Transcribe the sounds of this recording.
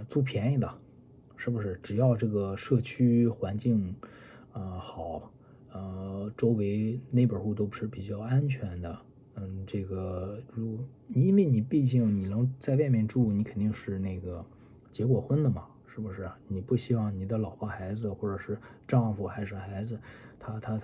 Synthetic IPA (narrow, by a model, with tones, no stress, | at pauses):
t͡su˥˩pʰjɛ˧˥ni˧˩d̪ə˩ | ʂɻ̩˥˩bu˩ʂɻ̩˥˩ʈ͡ʂɻ̩˨˩jɑ˥˧ʊʈ͡ʂɤ˥˩ɡə˩ʂɤ˥˩t͡ɕʰy˥xwa˧˥nt͡ɕi˥˩ŋ | ə˧xɑ˨˩˦ʊ | ə˧ʈ͡ʂo˥ʊwe˧˥ɪne˥˩ɪpə˞˨˩xu˥˩t̪̬o˥ʊpu˧ʂɻ̩˥˩pi˨˩t͡ɕjɑ˥˩ʊa˥nt͡ɕʰɥɛ˧˥nd̪ə˧ | n̩˥˩ʈ͡ʂɤ˥˩ɡə˩ɻu˥ | ni˩i˥nwe˥˩ni˨˩pi˥˧t͡ɕi˥˩ŋni˨˩nɤ˧˥ŋt͡sa˥˧ɪwa˥˧ɪmjɛ˥˧nʈ͡ʂu˥˩ni˧˥kʰə˨˩nt̪i˥˧ŋʂɻ̩˥˧ne˥˩ɪɡə˩ | t͡ɕjɛ˧˥k̬wɔ˨˩xwə˥nd̪ə˨mɐ˩ʂɻ̩˥˩bu˩ʂɻ̩˥˩ni˨˩pu˥˩ɕi˥wɑ˥˩ŋni˨˩d̪ə˦lɑ˨˩ʊpɑ˥xa˧˥ɪd͡zɹ̩˧xwɔ˥˩ʈ͡ʂɤ˨˩ʂɻ̩˥˧ | ʈ͡ʂɑ˥˧ŋfu˨˩xa˧˥ɪʂ̩˧˥˩xa˧˥ɪd͡zɹ̩˧t̪ʰa˥t̪ʰa˥